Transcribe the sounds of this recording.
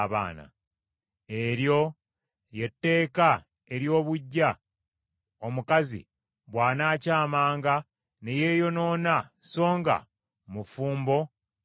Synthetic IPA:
βa̰ːna̰ | e̞ɾjo̞ | je̞tːe̞ːka | e̞ɾjo̞ːβuɟːa | o̞mukazḭ | βwaːnaːcaːmaːŋɡa | ne̞je̞ːjo̞no̞ːnaso̞ːŋɡa̰ | mufuːmbo̞

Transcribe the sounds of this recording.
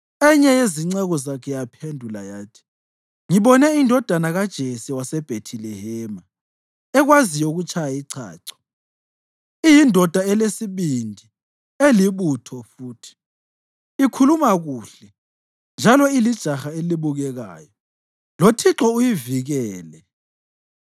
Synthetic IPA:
ɛɲɛjeziŋ͡ǀɛɣɔzakʰɛjapʰendʱulajaːtʰi̥ | ŋiɓɔnɛindʱɔd̥ʱanaɣad̥ʒ̥ʱesiwasɛb̥ʱetʰilɛhɛːma | ɛɣwazijɔuɣut͡ʃʰajaiǀʰa̰ːǀɔ̥ | ijindʱɔd̥ʱaɛlesiβindʱi | eliβutʰɔfuːtʰi̥ | ikʰulumaɣuɬɛ | nd͡ʒʱalɔilid̥ʒ̥ʱaxaeliβuɣɛɣa̰ːjɔ | lotʰiǁɔujiviɣɛːlɛ

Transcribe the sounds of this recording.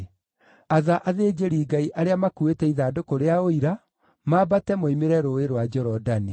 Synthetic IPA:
aðaʔaðeːd͡ʑeɾiːɡaiʔaɾeamakuetɛiðaːdokoɾeaoiɾa | mabatɛmoimeɾɛɾoeɾwad͡ʒɔɾɔdani

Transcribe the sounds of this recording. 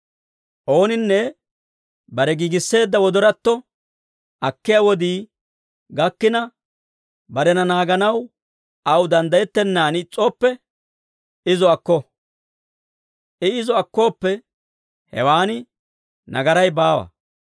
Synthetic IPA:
ʔo̞ːnɪnːɛ | bɐɾɛɡiːɡɪsːe̞ːd̪ːɐwɔd̪ɔɾɐt̪ːɔ | ɐkːɪjawɔd̪iː | ɡɐkːɪnɐ | bɐɾɛnɐnaːɡɐnɐw | ɐwd̪ɐnd̪ɐjɛt̪ːɛnːaːnɪt͡sʼːoːpːɛ | ɪzɔɐkːɔ | ʔɛɪzɔɐkːo̞ːpːɛ | hɛ̰waːnɪ | nɐ̰ɡɐɾɐjbaːwɐ̰

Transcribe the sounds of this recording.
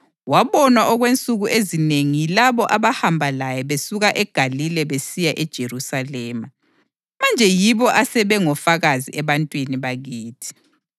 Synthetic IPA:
waβɔnwaʔɔɣwent͡sʼuɣuʔezineŋijilaβɔʔaβahambʱalajɛβesuɣaʔɛɡ̥ʱalilɛβesijaʔɛd̥ʒ̥ʱerusalɛːma | mand͡ʒʱɛjiβɔʔasɛβɛŋɔfaɣaziɛβantʼwiniβaɣiːtʰi̥

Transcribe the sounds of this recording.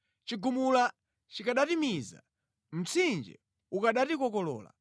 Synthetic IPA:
t͡ʃiɡumula | t͡ʃikaɗatimiza̰ | m̩t͡sʰind͡ʒɛ̰ | ukaɗatikɔkɔlɔ̰ːla̰

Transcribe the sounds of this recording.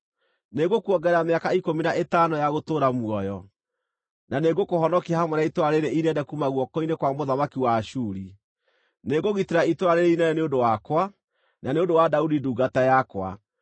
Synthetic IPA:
neɡokuɔɡɛɾameakaikominaʔetanojaɣotoːɾamuɔjɔ | naneɡokohɔnɔkiahamwɛnaitwaɾeɾeʔineɛndɛkumaɣwɔkɔinekwamoðamakiwaʃuːɾi | neɡoɣiteɾaitwaɾeɾeinɛɛneondowakwa | naneondowadaudiduɡatajakwa̰

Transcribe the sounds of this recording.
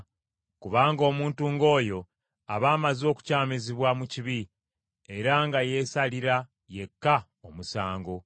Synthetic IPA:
kuβaːŋɡo̞ːmuːntuːŋɡo̞ːjo̞ | a̰βaːmazo̞ːku̥caːmeziβwamuciβi | e̞ɾaŋɡaje̞saliɾa | je̞kːa | omusaːŋɡo̞

